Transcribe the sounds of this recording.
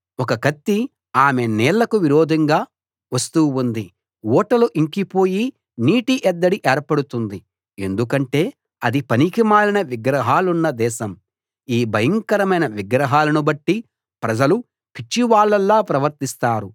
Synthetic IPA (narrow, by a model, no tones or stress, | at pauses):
ɔkɐkɐt̪ːi | aːme̞nɛːɭːɐkuʋiɾoːd̪ʱɐŋɡaː | ʋɐst̪uːund̪i | wɔːʈɐluʔiŋkipo̞ːji | niːʈiʔɛd̪ːɐɽiʔeːɾpɐɽut̪und̪i | e̞̰nd̪ukɐɳʈe̞ː | ɐd̪ipɐnikimaːɭinɐʋiɡɾɐɦaːlunːɐd̪ɛːʃɐm | iːbʱɐjɐŋkɐɾɐmɐjnɐʋiɡɾɐɦaːlɐnubɐʈːi | pɾɐd͡ʒɐlu | pʰit͡ʃːiʋaːɭːɐlːaːpɾɐʋɐɾt̪ist̪aːɾu